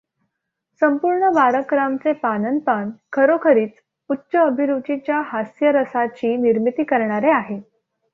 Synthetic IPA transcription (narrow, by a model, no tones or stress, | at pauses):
səmpuɾɳəbaɾəkɾamt͡sepanənpankʰəɾokʰəɾiːt͡s | utːɕəːbʱiɾud͡ʑit͡ɕjaɦasjəɾəsat͡ɕiːniɾmit̪iːkəɾɳ̃aɾeaɦe